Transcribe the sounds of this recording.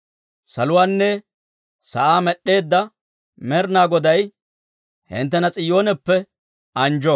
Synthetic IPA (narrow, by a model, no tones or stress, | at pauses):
sɐlʊwaːnːɛ | sɐʔaːmɛɗːe̞ːd̪ːɐ | mɛɾnaːɡɔd̪ɐj | hɪ̰nt̪ːɛnɐt͡sʼɪjoːnɛpːɛ | ɐnd͡ʒɔ